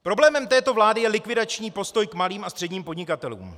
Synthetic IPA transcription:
pɾo̞blɛːmɛmt̪ɛːt̪o̞vlaːdɪjɛlɪkvɪdat͡ʃɲiːpo̞st̪o̞jkmaliːmʔast̪r̥ɛdɲiːmpodɲɪkat̪ɛlṵːm

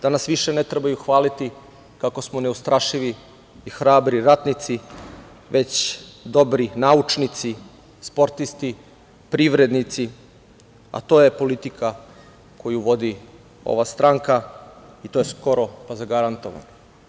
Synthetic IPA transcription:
d̪̥anasʋiʃenet̪ɾebajuxʋaːlit̪i | kako̞smone̞ust̪ɾaʃiʋiː | xɾaːbɾiɾat̪nit̪si | ʋe̞t͡ɕd̪o̞bɾinaut͡ʃnit̪si | spo̞ɾt̪ist̪i | pɾiʋɾe̞d̪nit̪si | a̰t̪o̞jepo̞lit̪ikʰa | kʰo̞juʋo̞d̪i | o̞̰ʋast̪ɾaŋkait̪ojesko̞ɾo̞pazaɡaɾant̪o̞ʋa̰no

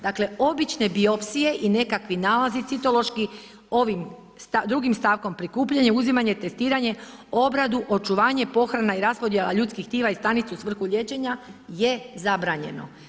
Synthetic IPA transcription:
d̪akle̞o̞bit͡ʃnebio̞psije̞ʔine̞kakʋinaːlazit̪sit̪o̞lˠo̞ʃki | o̞ʋim | st̪ad̪ɾuɡimst̪aːʋko̞mpɾikuːpʎaɲe̞uzimaɲet̪e̞st̪iːɾaɲe̞o̞bɾad̪uʔo̞t͡ʃuʋaːɲe̞po̞xɾanaiɾaspo̞d̪je̞la̰ʎuːt̪skixt̪iːʋaist̪anit̪seusʋr̩xuʎʲe̞t͡ʃe̞ɲaje̞zabɾaːɲe̞̰no̞̰

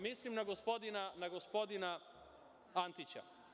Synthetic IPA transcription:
mislimnaɡospo̞d̪inanaɡospo̞d̪ina | ant̪it͡ɕa̰

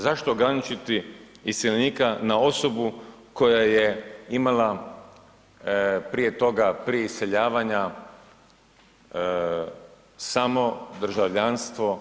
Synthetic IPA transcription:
zaʃt̪oɡɾanit͡ʃit̪i | ist̪jelniːkanao̞so̞buko̞jajeimala | pɾije̞t̪o̞ɡapɾieisʲe̞ʎaːʋaɲa | samo̞d̪r̩ʒaʋʎanst̪ʋo̞

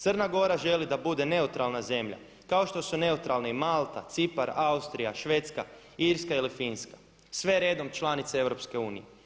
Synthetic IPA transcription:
t̪ərnaɡo̞ɾaʒe̞lid̪abud̪e̞ne̞ut̪ɾalnaze̞mʎa̰ | kaoʃt̪o̞sune̞ut̪ɾalneimalˠt̪a̰t̪sipaɾaust̪ɾijaʃʋe̞t̪ska | iɾskailifinskḁ | sʋe̞ɾe̞ːd̪o̞mt͡ʃlanit̪see̞ʋɾo̞pske̞uːnijḛ

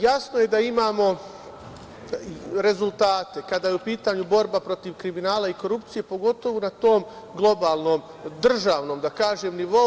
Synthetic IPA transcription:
jasnoje̞d̪aimaːmo̞ | ɾe̞zulˠt̪aːt̪e̞kad̪ajeupiːt̪aɲubo̞ɾbapɾo̞t̪iʋkɾiminaːlaiko̞ɾupt̪sije̞po̞ɡo̞t̪o̞ʋonat̪o̞ːm | ɡlˠo̞baːlˠno̞m | d̪r̩ʒaːʋno̞ːmd̪akaːʒeːmniʋo̞

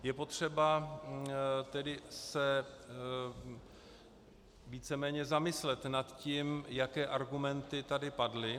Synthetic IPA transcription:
jɛpo̞t̪r̝̥ɛba | t̪ɛdɪsɛ | viːt͡sɛmɛːɲɛzamɪslɛt̪nat̪ciːmjakɛːʔaɾɡumɛnt̪ɪt̪adɪpadlɪ

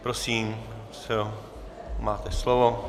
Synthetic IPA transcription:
pɾosiːm | sɛ | maːt̪ɛslovo

